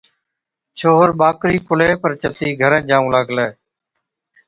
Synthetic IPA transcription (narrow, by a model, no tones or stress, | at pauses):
t͡ʃʰoːɦəɾɓaːkɾiːkʊleːpəɾt͡ʃət̪iːɡʱəɾə̃ːd͡ʒãːũːləɡleː